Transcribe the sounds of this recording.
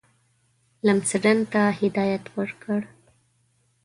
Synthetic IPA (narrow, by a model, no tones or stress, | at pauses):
lamsəɖant̪ahɪd̪ɑjat̪wəɽkəɽ